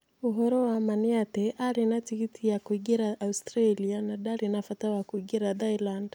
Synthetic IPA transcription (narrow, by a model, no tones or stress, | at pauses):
uɦɔɾɔwamaniatɛʔaɾinatikitʰijakuiɡiɾaʔaustɾalianaɗaɾinafatawakuiɡiɾaðailand̥